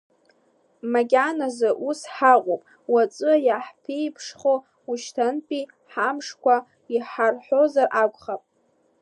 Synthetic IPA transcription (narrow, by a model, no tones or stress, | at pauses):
maɡʲanazɨʔusħaʁʷʼopʼ | wat͡sʼɨjaħpʰejpʰʂχo | uʃtʰanpʼi | ħamʂkʷʰa | iħarħozarʔakʷʼχapʼ